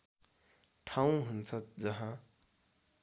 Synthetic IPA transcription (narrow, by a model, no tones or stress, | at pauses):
ʈʰaũɦunt͡sʰʌd͡zʌɦã